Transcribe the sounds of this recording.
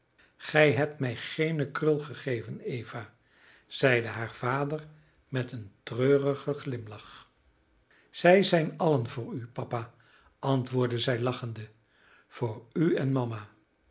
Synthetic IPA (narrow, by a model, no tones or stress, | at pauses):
χɛjɦɛp̚tmɛjχejnəkrɵlˠχəχejvənejv̥a | z̥ɛjdəɦaːɹv̥aːdər | mɛtəntrøːrəχəχlɪmlɑχ | z̥ɛjzɛjnɑlənvʊːɹypɑpa | ʔɑntʋʊːɹdəzɛjlɑχəndə | v̥ʊːɹyɛnmɑma